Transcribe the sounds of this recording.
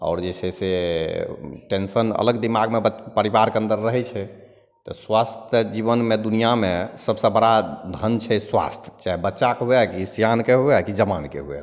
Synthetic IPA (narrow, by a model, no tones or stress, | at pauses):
ɔ̰ːɾd͡ʒesʰɛse | ʈensənə̰ləɡd̪imaɡmebpəɾibaɾkeə̃nd̪əɾːəɦɛt͡ʃʰɛ | t̪ɔswast̪ʰjəd͡ʒiβənmed̪unijamesəbsə̃bəɽad̪ʱənt͡ʃʰɛswa̰st̪ʰjt͡ʃaɦbətːt͡ʃakɦuɛkisijankeɦuɛkid͡ʒəmankḛɦuɛ̰